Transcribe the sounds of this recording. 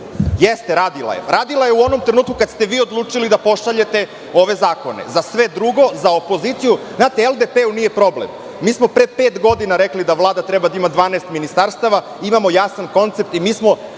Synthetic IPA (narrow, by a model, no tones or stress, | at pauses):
jest̪eɾaːd̪ila̰jḛɾaːd̪ilˠaje̞uo̞nomt̪ɾenuːt̪̚kukat̪st̪e̞ʋiːo̞d̪lˠuːt͡ʂilid̪apo̞ʃaʎe̞t̪e̞ | o̞ʋe̞zaːko̞nḛzasʋe̞d̪ɾuɡo̞zaopo̞zit̪sijuznaːt̪eelˠd̪epeunije̞pɾo̞blḛmː | iːsmo̞pɾepeːt̪ɡo̞d̪inaɾeklid̪aʋlˠaːd̪at̪ɾebad̪aimad̪ʋaːnɛest̪minist̪aɾst̪aʋa | imamo̞jasanko̞nt̪se̞p̚t̪imiːsmo̞